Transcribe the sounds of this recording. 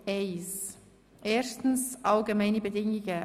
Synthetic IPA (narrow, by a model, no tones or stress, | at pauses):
eɪs | ʔeːstn̩sʔalɡəmaɪnəbədɪŋə